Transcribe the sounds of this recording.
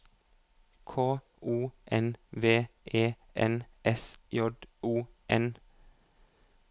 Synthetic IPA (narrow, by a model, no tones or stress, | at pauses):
kʰoː | uːʔɛnʋeːeː | ʔɛnʔɛsjɔd̪uːʔɛn